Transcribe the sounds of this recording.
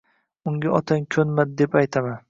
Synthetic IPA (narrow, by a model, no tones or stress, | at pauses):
ʊŋɡʲaʔɒt̪ʰaŋkʲʰɵnmad̪̚d̪e̞pajt̪ʰaman